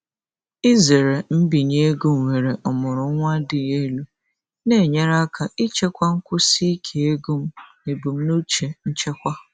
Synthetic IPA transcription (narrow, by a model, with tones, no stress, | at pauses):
i˦ze˨ɾe˨m̩˦bi˨ɲe˦e˦ɡu˦m̩˨wʷe˨ɾe˨ʔɔ˨mʊ˨ɾʊ˨˦ŋʷa˦dɪ˨je˦lu˦ | ne˦˨ɲe˦ɾa˦kʰa˨i˦t͡ʃe˦kʷa˦ŋ̩˦kʷʊ˦si˦kʰe˨e˦ɡu˦m̩˦ | e˨bu˨m̩˦nu˦t͡ʃe˨n̩˦t͡ʃe˦kʷa˦